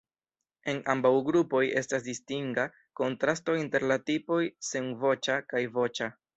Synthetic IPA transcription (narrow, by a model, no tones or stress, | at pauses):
e̞na̰mbawɡɾupo̞je̞stasdistiŋɡa | ko̞ntɾasto̞inte̞ɾlatipo̞jsenvo̞t͡ʃakajvo̞t͡ʃa